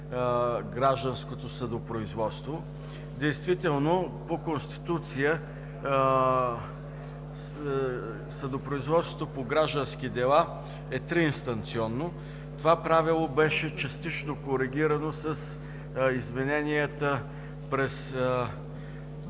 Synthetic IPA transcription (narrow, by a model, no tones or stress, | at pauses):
ɡɾaʒd̪ə̃nskot̪osəd̪opɾoizvɔt̪st̪vo | d̪ɛjst̪vit̪ɛlˠnopokonst̪i̥t̪ut̪sijə | səd̪opɾoizvɔt̪sot̪opoɡɾaʒd̪ənskid̪ɛlˠa | ɛt̪ɾiːnst̪ɐnt̪siɔnːo | t̪ovapɾavilˠobɛʃɛt͡ʃɐst̪it͡ʃnokoɾɛɡ̟ʲiɾənosəs | izmɛnɛnijət̪ə | pɾɛs